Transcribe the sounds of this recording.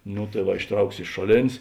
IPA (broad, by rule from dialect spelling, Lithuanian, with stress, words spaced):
noː tɐɪ ˈʋɐ ɪʃˈtrɐʊks ɪʃ ˈʃoːˌlʲeːnʲsʲ